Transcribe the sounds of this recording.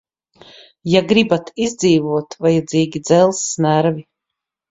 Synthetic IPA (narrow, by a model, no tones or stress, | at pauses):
jaɡɾibat̪ʰizd̪ziːvuɔt̪vajad̪zʲiːɡʲid̪zɛlˠsːnæɾvi